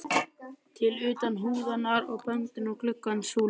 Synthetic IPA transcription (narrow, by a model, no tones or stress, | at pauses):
t̪ʰɪlʏːt̪anɦuːðanːaɾɔɣpœŋt̪ʏnɔɣkʰlʏkːansuːl